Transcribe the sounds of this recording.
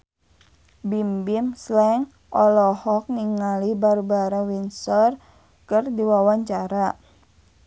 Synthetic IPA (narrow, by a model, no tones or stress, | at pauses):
bimbimslɛŋ | ʔɔlɔhɔk̚niŋalibaɾubaɾawinsɔr | kərdiwawaɲt͡ʃaɾa